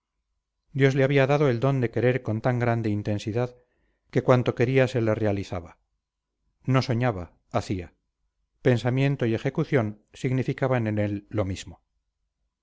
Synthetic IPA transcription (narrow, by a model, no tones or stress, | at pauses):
d̪jozleaβiaðaðoe̞ld̪o̞nd̪e̞ke̞ɾe̞ɾko̞nt̪aŋɡɾand̪e̞int̪e̞nsiðað | ke̞kwant̪o̞ke̞ɾiase̞lere̞aliθaβa | no̞so̞ɲaβa̰ | aθia | pe̞nsamje̞nt̪o̞ie̞xe̞kuθjo̞nsiɣnifikaβanene̞lːo̞miz̥mo